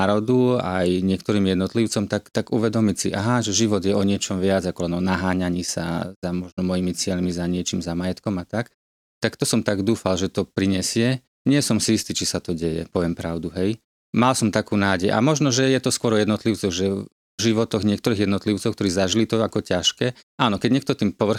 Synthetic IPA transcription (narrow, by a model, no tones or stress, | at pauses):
aɾɔd̪ua̰jɲɪɛkt̪ɔɾiːmjɛd̪nɔt̪liʊt͡sɔmt̪akt̪aɡuʋɛd̪ɔmicsḭʔaɦaʒɛʒiʋɔd̪jɛɔɲɪɛt͡ʃɔmʋɪad͡zakɔlɛnɔnaɦaːɲaɲiːsa̰zamɔʒnɔmɔjimit͡sɪɛʎmizaɲɪɛt͡ʃimzamajɛt̪kɔmat̪ak | t̪akt̪ɔsɔmt̪aɡd̪uːfalʒɛt̪ɔpɾiɲɛsɪɛ | ɲɪɛsɔmsiist̪iːt͡ʃisat̪ɔɟɛjɛ̰pɔʋɛmpɾaʊd̪uɦɛj | malsɔmt̪akuːnaːɟɛjʔa̰mɔʒnɔʒɛjɛt̪ɔskwʊɔɾɔjɛd̪nɔt̪liʊt͡sɔɣʒɛ | ʒiʋɔt̪ɔɣɲɪɛkt̪ɔɾiːɣjɛd̪nɔt̪liʊt͡sɔʊkt̪ɔɾiːzaʒilit̪ɔakɔcaʃkɛːʔaːnɔkɛɟɲɪɛkt̪ɔt̪iːmpɔʋr̩